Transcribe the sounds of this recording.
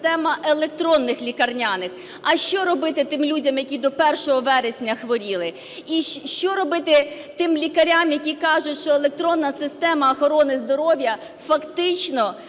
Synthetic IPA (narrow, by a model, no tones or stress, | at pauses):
t̪ɛmɐʔelˠek̚t̪ɾɔnːɪxlʲikɐrnʲanɪx | ɐʃt͡ʃɔɾɔbɪt̪ɪt̪ɪmlʲudʲɐmjɐkʲid̪ɔpɛrʃɔɦɔʋɛɾesʲnʲɐxʋɔɾʲilˠɪ | iʃt͡ʃɔɾɔbɪt̪ɪ | t̪ɪmlʲikɐɾʲamjɐkʲikɑʒʊtʲʃt͡ʃɔelˠek̚t̪ɾɔnːɐsɪst̪ɛmɐːxɔɾɔnɪzd̪ɔɾɔʋʲjɐ | fɐkt̪ɪt͡ʃnɔ